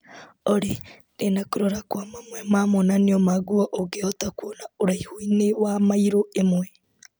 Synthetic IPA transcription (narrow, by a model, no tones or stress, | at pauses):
oɾe | ndenakoɾoɾakwamamwɛmamonaneomaɡuaʔoɡeɔtakwonaoɾaihoinewamaiɾoemwɛ